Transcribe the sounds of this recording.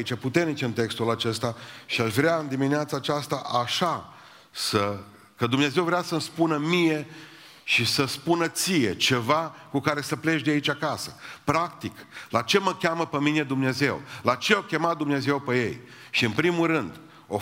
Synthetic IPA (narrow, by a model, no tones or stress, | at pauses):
it͡ʃaput̪e̞rnit͡ʃɨnt̪e̞kst̪ulat͡ʃe̞st̪aʃiaʃvɾeaɨnd̪imineat̪saːt͡ʃast̪aʔaʃa | sə | kəd̪umne̞ze̞wvɾeasəmspunəmije̞ | ʃisəspunət̪sije̞t͡ʃe̞vakukaɾe̞səple̞ʒd̪eait͡ʃʲakasə̥pɾakt̪iklat͡ʃe̞məkʲaməpəmine̞d̪umne̞ze̞wlat͡ʃe̞akʲe̞mat̪̚d̪umne̞ze̞wpeje̞̰j | ʃiɨnpɾimulɾɨnd̪ | o̞